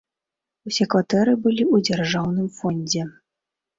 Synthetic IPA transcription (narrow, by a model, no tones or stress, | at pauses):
usʲɛkvat̪ɛɾɨbɨlʲiud͡zʲarʐawn̪ɨmfɔnʲd͡zʲɛ